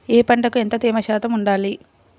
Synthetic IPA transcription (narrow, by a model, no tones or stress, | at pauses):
eːpɐɳʈɐkue̞nt̪ɐt̪iːmɐʃaːt̪ɐmuɳɖaːli